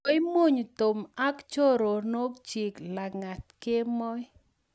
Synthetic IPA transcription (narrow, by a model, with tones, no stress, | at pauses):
ɪ˦mo˦ɲ˨to˨ma˦kt͡ʃo˦ɾo˨no˦kt͡ʃi˨kla˨ŋa˨tke˦mɔ˦j